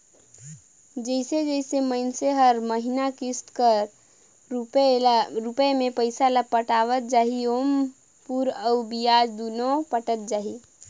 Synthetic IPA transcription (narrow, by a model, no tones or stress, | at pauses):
d͡ʒəɪsed͡ʒəɪsemənseɦəɾməɦinakist̪kəɾ | ɾupemepəɪsaləpəʈaʋət̪̚d͡ʒaɦiom | puɾəubijad͡ʒd̪unopəʈət̪̚d͡ʒaɦi